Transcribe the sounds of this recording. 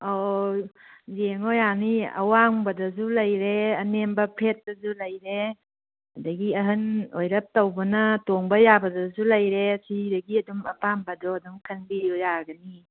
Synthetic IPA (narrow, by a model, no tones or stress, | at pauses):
o | zeŋojaniɐ̰waŋbɐdɐzulɐjɾeɐnembɐpʰet̚ːɐzulɐjɾe | ɐdɐɡiɐɦɐnojɾɐp̚tɐwbɐnɐtoŋbɐjabɐdɐsulɐjɾesidɐɡiɐdumɐpambɐdɔɐdumkʰɐnbijaɡɐni